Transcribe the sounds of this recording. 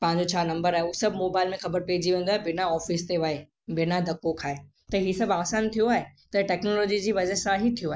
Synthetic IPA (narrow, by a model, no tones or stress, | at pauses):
pɐ̃ɦɪ̃ɲd͡ʑot͡ɕʰaːnɐ̃mbəɾaːɦeusɐbʱmoːbaːɪlmẽxɐbəɾpeːd͡ʑiʋẽːn̆d̪oaːɦebɪnaɔːfɪst̪eʋaːe | bɪnad̪ʱɐkːokʰaːe | t̪ɐɦisɐbaːsaːnt̪ʰijoaːɦet̪ɐʈɛːknoːlɔːd͡ʑid͡ʑiːʋɐd͡ʑəɾsãɦit̪ʰijoaːɦe